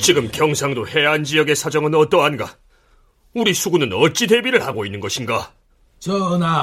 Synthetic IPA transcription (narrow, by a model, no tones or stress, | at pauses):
t͡ɕiɡɯmkjʌŋsʰaŋdohe̞ɦand͡ʑijʌɡe̞sʰad͡ʑʌŋɯnʌt͈ʌɦanɡa̰ | uɾisʰuɡunɯnʌt͡ɕ͈ide̞biɾɯɭhaɡoinːɯnɡʌɕʰinɡa | t͡ɕʌna